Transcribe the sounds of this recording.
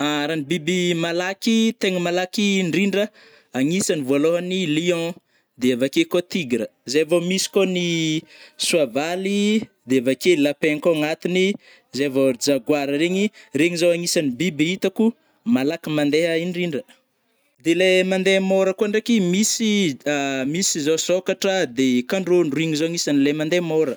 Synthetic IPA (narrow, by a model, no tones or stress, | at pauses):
aɾanibibimalakit̪eŋəmalakiɳɖ͡ʐiɳɖ͡ʐə | aŋisanivualoɦaniliɔ̃ | d̪eavakekot̪iɡɾəzavomisi̥koni | suavalid̪eavakelapekoŋat̪ini | zevod͡zaɡwaɾəɾeŋireŋizowaŋisanibibiit̪aku | malakimãnd̪eɦaiɳɖ͡ʐiɳɖ͡ʐə | d̪elemand̪emoɾəkuaɳɖ͡ʐekimisiamisizosokaʈ͡ʂəd̪ekaɳɖ͡ʐonruiŋizoaŋisanilemand̪emoɾə